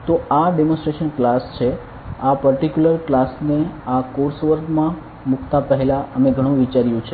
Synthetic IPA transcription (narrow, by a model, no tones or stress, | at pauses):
t̪oʔaɖemõnsʈɾeʃənklast͡ʃʰe | apəɾʈikjuləɾklasneakoɾsʋəɾɡmã | mukʰt̪apəɦelaʔəmeɡʱəɽ̃ũʋit͡ʃaɾjũt͡ʃʰe